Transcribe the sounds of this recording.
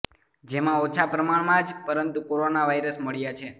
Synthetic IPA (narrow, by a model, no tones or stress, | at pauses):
d͡ʒemãot͡ʃʰapɾəmaɳmãd͡ʒpəɾənt̪ukoɾonaʋaiɾəsməɭjat͡ʃʰe